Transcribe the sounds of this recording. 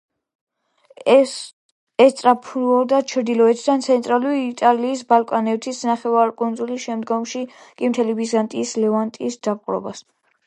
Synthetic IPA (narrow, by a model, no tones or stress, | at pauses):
ɛst̪ʼɾapʰɔd̪at͡ʃʰɾd̪ilɔɛt̪ʰd̪ant̪sʰɛnt̪ʼɾaluɾiːt̪ʼaliːsbalkʼɔnɛvt̪ʰisnaχɛvaɾkʼund̪zulisʃɛmd̪ɡɔmʃiɡ̥imt̪ʰɛlivizant̪ʼiːslɛvant̪ʼiːsd̪̥apʼqʼɾɔ̰bas